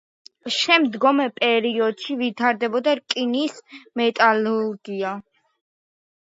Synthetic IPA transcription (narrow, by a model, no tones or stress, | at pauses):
ʃɛmd̪ɡɔmɛpʼɛɾiɔd̪̥ʃivit̪ʰaɾd̪ɛbɔd̪aɾkʼinismɛt̪ʼaluɾɡia